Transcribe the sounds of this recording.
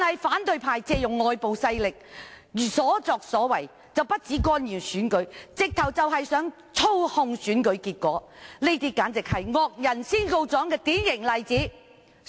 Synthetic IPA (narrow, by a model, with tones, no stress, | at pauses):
nhɐ˨jfaː˨˥nt̪ɵ˧ɥpʰaː˨jt͡sɛː˧jʊ˨ŋːɔː˨jpo˨wsɐ˧jlɪ˨k̚jyː˨˩sɔː˨˥t͡sɔː˨k̚sɔː˨˥wɐ˨˩j | t͡sɐ˨wpɐ˥t̚t͡siː˨˥kɔː˥njiː˨˩nsyː˨˥nkɵ˨˥ɥt͡sɪ˨k̚t̪ʰɐ˨˩wt͡sɐ˨wɦɐ˨jsœː˨˥ŋ | t͡sʰo˥whʊ˧ŋsyː˨˥nkɵ˨˥ɥkiː˧t̚kɔː˨˥le˥t̪iː˥kaː˨˥nt͡sɪ˨k̚hɐ˨jŋɔː˨˧k̚jɐ˨˩nsiː˥nko˧wt͡sɔː˨˥ŋkɛː˧t̪iː˨˥njɪ˨˩ŋlɐ˨jt͡siː˨˥